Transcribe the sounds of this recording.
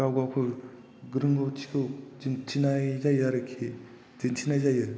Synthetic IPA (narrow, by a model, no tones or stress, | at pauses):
ɡawɡawkʰɯ | ɡɯɾɯŋɡɯwtʰi̥kʰɯwzintʰinajzajaɾɯkʰi | zintʰinajzajɯ